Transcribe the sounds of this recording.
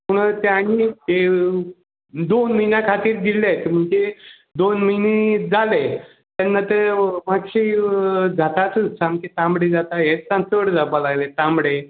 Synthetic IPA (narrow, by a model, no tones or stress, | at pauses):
puɽ̃t̪eaɽ̃ie | d̪onməɦinjakʰat̪iːɾd̪ilajt̪m̤əɳd͡ze | d̪onməɦined͡zale | t̪janːat̪əmaɡɕid͡zʱat̪at̪ut͡samket̪ãmɽed͡zat̪aɦet͡ssãnsəɽd͡zabəlaɡlet̪ãmɽe